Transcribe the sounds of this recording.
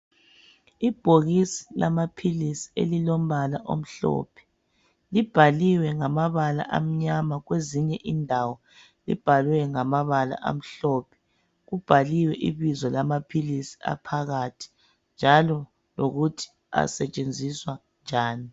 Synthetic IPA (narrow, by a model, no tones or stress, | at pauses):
ib̥ʱoɣisi̥lamapʰilisi̥ḛlilom̩βalaʔo̰m̩ɬɔ̰ːpʰɛ̥ | lib̥ʱaliwɛŋamaβala̰ʔam̩ɲamaɣweziɲɛʔindʱawɔ | lḭb̥ʱalwɛŋamaβala̰ʔa̰m̩ɬɔːpʰɛ̥ | ɣub̥ʱaliwɛʔiβizɔlamapʰilisi̥a̰pʰaɣatʰi̥ | nd͡ʒʱalɔ | loɣutʰi̥ | a̰sɛt͡ʃʼend͡zʱiswa | nd͡ʒʱaːni